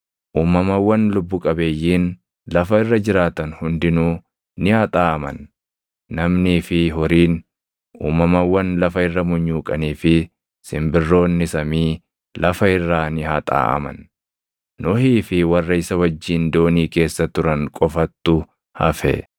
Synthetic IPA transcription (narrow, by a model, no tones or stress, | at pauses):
ʔuːmɐmɐwːɐnlʊbːʊkʼɐbeːjːiːn | lɐfɐɪrːɐd͡ʒɪɾaːt̪ɐnhʊnd̪ɪnuː | nɪhɐt̪ʼaːɐmɐ̰nː | ɐmniːfɪɦɔɾiːn | ṵːmɐmɐwːɐnlɐfɐɪrːɐmʊɲːuːkʼɐniːfɪ | sɪmbɪrːo̞ːnːɪsɐmiː | lɐfɐɪrːaːnɪhɐt̪ʼa̰ːʔɐ̰mɐ̰nː | ɔhiːfɪwɐrːɐɪsɐwɐd͡ʒːiːnd̪oːniːke̞ːsːɐt̪ʊɾɐŋkʼɔfɐt̪ːʊ | hɐfɛ̰